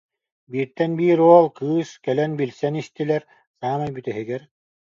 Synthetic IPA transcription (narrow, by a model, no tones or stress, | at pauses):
biːɾt̪ɛnbiːɾuɔlˠkɯːskɛlɛnbilʲsɛnist̪ilɛɾ | saːmajbyt̪ɛɦiɡɛɾ